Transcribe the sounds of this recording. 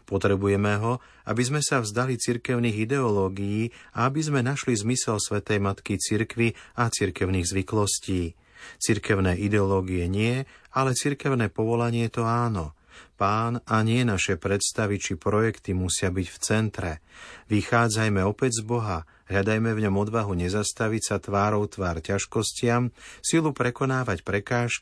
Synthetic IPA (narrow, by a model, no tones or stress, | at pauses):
pɔt̪ɾɛbujɛmɛɦɔ | a̰bizmɛsavzd̪alit͡siɾkɛʊniːɣid̪ɛɔlɔːɡijiːaabizmɛnaʃlizmisɛlsʋɛt̪ɛjmat̪kit͡siɾkʋiat͡siɾkɛʊniːɣzʋiklɔsciː | t͡siɾkɛʊnɛːʔid̪ɛɔlɔːɡijɛɲɪɛalɛt͡siɾkɛʊnɛːpɔʋɔlaɲɪɛt̪ɔaːnɔ | paːnaɲɪɛnaʃɛpɾɛt̪st̪aʋit͡ʃipɾɔjɛkt̪imusɪabiɟft͡sɛnt̪ɾɛʋixaːd͡zajmɛɔpɛɟzbɔɦa | ɦʎad̪ajmɛvɲɔmɔd̪ʋaɦuɲɛzast̪aʋicsat̪ʋaːɾɔʊt̪ʋaːɾcaʃkɔscɪamsilupɾɛkɔnaːʋacpɾɛkaːʃk